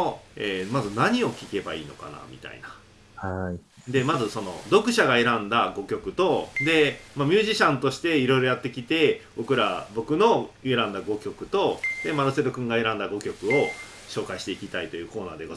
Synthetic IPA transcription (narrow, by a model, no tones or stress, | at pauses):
oeːmazɨnaɲ̟io̞kʲike̞baḭːno̞̰ka̰na̰mʲḭt̪a̰ḭna | hai | d̪e̞mazɨso̞no̞̰d̪o̞kɯ̟ɕaɡae̞ɾãnd̪aɡo̞kʲo̞kɯ̟t̪o̞d̪e̞mamʲɨːʑiɕãnt̪o̞ɕi̥t̪e̞iɾo̞iɾo̞jat̪ːe̞kʲit̪e̞bo̞kɯ̟ɾabo̞kɯ̟no̞e̞ɾãnd̪aɡo̞kʲo̞kɯ̟t̪o̞d̪e̞manɯse̞ɾokɯ̟̃ŋɡae̞ɾãnd̪aɡo̞kʲo̞kɯ̟o̞ | ɕo̞ːkaiɕi̥t̪e̞ikʲit̪ait̪o̞jɯ̟ːko̞ːna̰ːd̪e̞ɡo